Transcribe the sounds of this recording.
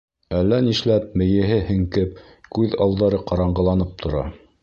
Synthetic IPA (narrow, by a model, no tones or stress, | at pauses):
ælːæniʃlæp̚mɘ̆jɘ̆ɦɘhɘ̆ŋkɘp̚ | kʉðɑlˠd̪ɑɾɤqɑɾɑɴɢɤ̆lˠɑnɤp̚t̪ʰŏɾɑ̰